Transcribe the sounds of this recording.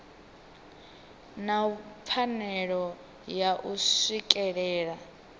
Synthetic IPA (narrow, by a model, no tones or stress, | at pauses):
nap̪fʰanɛɺɔ | jaʔusikʼɛɺɛːɺa